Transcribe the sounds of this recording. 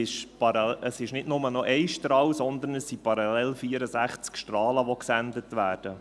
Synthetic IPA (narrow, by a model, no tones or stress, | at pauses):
ɪʃpɑɾɑəsɪʃnɪtnʊmənɔʔɛɪʃtɾɑːwsɔnd̪ənəssipɑɾɑlɛlfiːəɾəzæχt͡skʃtrɑːləʋoksændətʋæːrd̥ə